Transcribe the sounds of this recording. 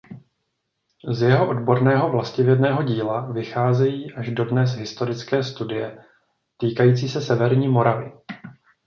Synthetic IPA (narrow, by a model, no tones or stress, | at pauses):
zjɛɦo̞ʔo̞dbo̞ɾnɛːɦo̞vlascɪvjɛdnɛːɦo̞ɟiːlavɪxaːzɛjiːʔaʒdo̞dnɛz̬ɦɪst̪o̞ɾɪt͡skɛːst̪udɪjɛ | t̪iːkajiːt͡siːsɛsɛvɛɾɲiːmo̞ɾavɪ̰